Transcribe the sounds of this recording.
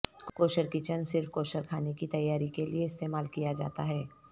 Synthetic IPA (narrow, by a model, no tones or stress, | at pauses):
koːʃəɾkit͡ʃənsɪɾfkoːʃəɾkʰaːnekit̪ɐjːaːɾikelieɪst̪eːmaːlkijad͡ʒa̰ːt̪aɦɛː